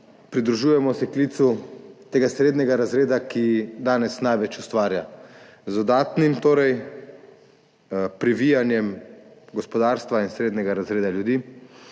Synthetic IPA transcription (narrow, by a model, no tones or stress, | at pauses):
pɾid̪ɾuʒuːjɛmɔsɛklit̪sut̪eːɡasɾeːd̪nɛɡaɾazɾeːd̪akid̪aːnɛsnajʋɛt͡ʃust̪ʋaːɾja | zd̪ɔd̪aːt̪nimt̪oːɾɛj | pɾiʋijanjɛmɡɔspɔd̪aːɾst̪ʋainsɾeːd̪nɛɡaɾazɾeːd̪aljud̪iː